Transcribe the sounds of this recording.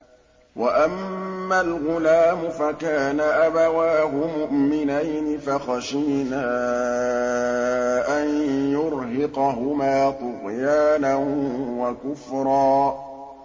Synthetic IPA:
waʔamːalɣʊlaːmʊfakaːnaʔabawaːɦʊmʊʔmɪnajnɪfaxaʃiːnaː | ʔanjʊɾɦɪqɑɦʊmaːt̪ˤʊɣjaːnanwakʊfɾˤɑː

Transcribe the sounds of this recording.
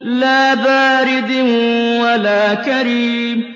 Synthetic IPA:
laːbaːɾɪd̪walaːkaɾiːm

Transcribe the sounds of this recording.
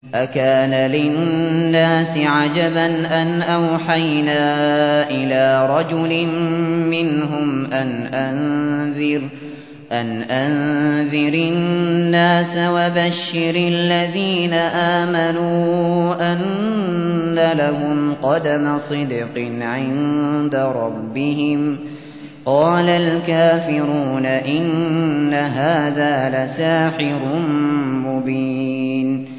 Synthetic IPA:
ʔakaːnalɪnːaːsɪʕad͡ʒabanʔanʔawħajnaːʔɪlaːɾˤɑd͡ʒʊlɪmmɪnɦʊmʔanʔanðɪɾ | ʔanʔanðɪɾɪnnːaːsawabaʃːɪɾalːaðiːnaʔaːmanuːʔanː | alaɦʊmqɑd̪amasˤɨd̪qɪnʕɪnd̪aɾˤɑbːɪɦɪm | qɑːlalkaːfɪɾuːnaʔɪnːaɦaːðaːlasaːħɪɾʊnmʊbiːn

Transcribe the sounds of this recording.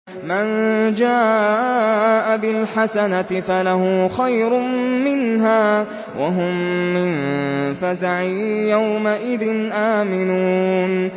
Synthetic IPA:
mand͡ʒaː | ʔabɪlħasanat̪ɪfalahʊːxajɾʊmmɪnɦaː | wʔa̰ɦʊmːɪnfazaʕijawmaʔɪðɪnʔaːmɪnuːn

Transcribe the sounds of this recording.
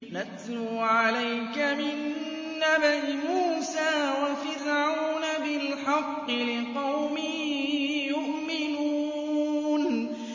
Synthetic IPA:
nat̪luːʕalajkamɪnː | abaʔɪmuːsaːwafɪɾʕawnabɪlħɑqːɨlɪqɑwmɪ | jʊʔmɪnuː | n

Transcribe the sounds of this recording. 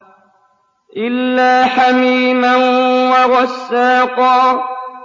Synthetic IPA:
ʔɪlːaːħamiːmanwaɣɑsːaːqɑː

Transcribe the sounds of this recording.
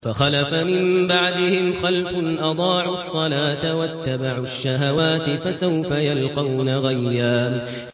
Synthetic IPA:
faxalafamɪmbaʕd̪ɪhɪmxalfʊnʔɑd̪ˤɑːʕʊsˤːɑlaːt̪awat̪ːabaʕʊʃːaɦawaːt̪ɪfasawfajalqɑwnaɣajːaː

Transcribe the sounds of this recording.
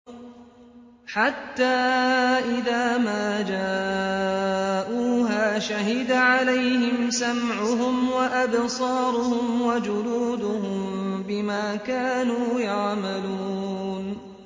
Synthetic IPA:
ħat̪ːaːʔɪðaːmaːd͡ʒaː | ʔuːɦaːʃaɦɪd̪aʕalajhɪmsamʕʊɦʊmwaʔabsˤɑːɾʊhʊmwad͡ʒʊluːd̪ʊɦʊmbɪmaːkaːnuːjɑʕmaluːn

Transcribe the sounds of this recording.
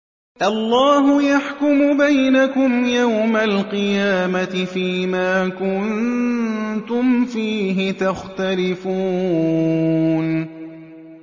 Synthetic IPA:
ʔɑlˤːɑːɦʊjaħkʊmʊbajnakʊmjawmalqɨjaːmat̪ɪfiːmaːkʊn | t̪ʊmfiːɦɪt̪axt̪alɪfuː | n

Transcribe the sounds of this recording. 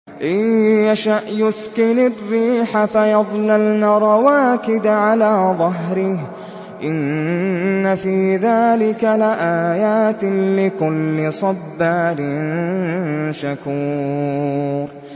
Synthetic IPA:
ʔajaʃaʔjʊskɪnarːiːħafajɑðˤlalnaɾˤɑwaːkɪd̪ʕalaːðˤɑɦɾɪh | ʔɪnː | afiːðaːlɪkalɪʔaːjaːt̪ɪlɪkʊlːɪsˤɑbːaːlɪn | ʃakuː | ɾ

